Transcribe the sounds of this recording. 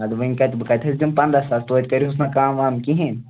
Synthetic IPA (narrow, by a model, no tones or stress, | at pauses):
ɐd̪ʋɐinʲkɐt̪bɨkɐt̪ʰɐsʲd̪impɐnd̪ɾasaːlt̪oːt̪̚ʲkɐɾʲiɦusnakaːmʋaːmkiɦĩn